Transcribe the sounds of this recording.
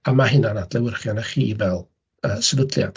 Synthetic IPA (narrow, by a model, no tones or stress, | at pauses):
amaɦɪnanadlɛwɪrχjɔnəχiːvɛlˠ | əːsəvədlja̰d̥